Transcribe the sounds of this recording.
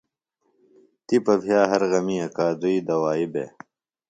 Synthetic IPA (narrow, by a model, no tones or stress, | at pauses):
t̪ipɐpʰijaːɦɐɾɣɐmiːɐkaːd̪uiːd̪ɐwaːibḛ